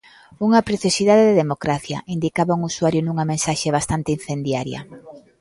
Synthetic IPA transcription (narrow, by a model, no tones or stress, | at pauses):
uŋɐpɾeθjosiðaðeðeðemokɾaθjɐ̰ʔind̪ikaβauŋusuaɾjʊnuŋɐmẽnsaʃeβ̞ast̪ant̪ein̟θend̪jaɾjɐ̰